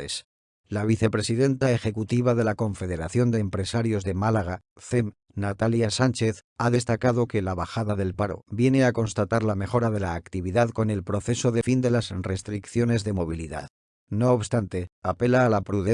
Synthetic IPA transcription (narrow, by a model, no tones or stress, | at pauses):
es | laβ̞iθe̞pɾe̞siðe̞nt̪aexe̞kut̪iβ̞aðe̞lako̞ɱfe̞ðe̞ɾaθjo̞nd̪e̞ːmpɾe̞saɾjo̞zðe̞malaɣ̞a | θe̞m | nat̪aljasant͡ʃe̞θaðe̞st̪akaðo̞ke̞laβaxaðaðe̞lpaɾo̰bje̞ne̞ako̞nst̪at̪aɾlame̞xo̞ɾaðe̞laːkt̪iβ̞iðaðko̞ne̞lpɾo̞θe̞so̞ðe̞find̪e̞lasre̞st̪ɾikθjo̞ne̞zðe̞mo̞β̞iliða̰ð | no̞ːβst̪ant̪e̞ape̞laːlapɾuðe